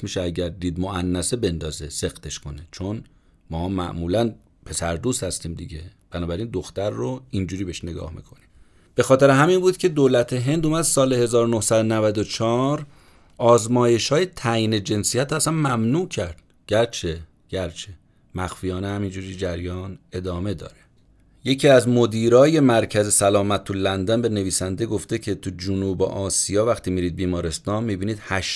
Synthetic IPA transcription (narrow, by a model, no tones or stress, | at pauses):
smiːʃeæɟæɾd̪iːd̪moænːæsebe̞nd̪ɒːzese̞qt̪ʰe̞ʃko̞net͡ʃʰon | mɒːmæ̰ʔmuːlæn | pʰe̞sæɾd̪uːst̪hæst̪iːmd̪ḭɟe̞b̥ænɒːbæɾiːnd̪oxt̪æɾːoind͡ʒuːɾiːbeʃneɡɒ̰ːhmḭkʰo̞niːm | b̥e̞xɒːt̪ʰeɾeɦæminbuːd̪cʰe̞d̪oːlæt̪ʰeɦe̞nd̪uːmæd̪̥sɒːlehe̞zɒːɾonohsæd̪onævæd̪ot͡ʃʰɒːɾ | ɒːzmɒːje̞ʃhɒːje̞t̪ʰæjiːne̞d͡ʒe̞nsijæt̪æsænmæmnuːcʰæɾd̪̥ | ɟ̥æɾt͡ʃʰe | ɟ̥æɾt͡ʃʰe̥ | mæxfijɒːnehæmind͡ʒuːɾiːd͡ʒæɾjɒːne̞d̪ɒːme̞d̪ɒ̰ːɾe | je̞cʰiːæzmod̪iːɾɒːje̞mæɾcʰæzesælɒːmæt̪ʰːulænd̪ænbe̞neviːsænd̪e̞ɡo̞ft̪e̞cʰe̞t̪ʰud͡ʒunuːbḛʔɒːsijɒːvæxt̪ʰiːmiːɾiːd̪̚biːmɒːɾe̞st̪ɒːnmiːbiːniːd̪̥hæʃ